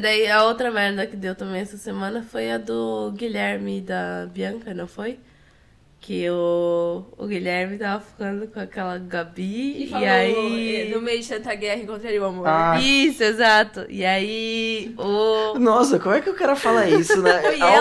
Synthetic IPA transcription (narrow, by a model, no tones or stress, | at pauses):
d̪aiɐowt̪ɾɐmɛɾd̪ɐkɪd̪ewt̪ɐ̃mẽj̃ɛsɐsemɐ̃nɐfojɐd̪ʊɡiʎɛɾmɪd̪ɐbiɐ̃ŋkɐnɐ̃w̃foj | kʰɪʊ̰ː | ɡiʎɛɾmɪt̪avɐfi̥kɐ̃nd̪ʊkõakɛlɐɡabiiainʊmejʊd͡ʒɪsɐ̃nt̪ɐɡɛhɐẽkõt̪ɾaɾiwamoaisʊezat̪ʊʔiai | ʊnɔsɐkõmʊɛkɪewkɛɾɐfalaisʊnɛ̃fo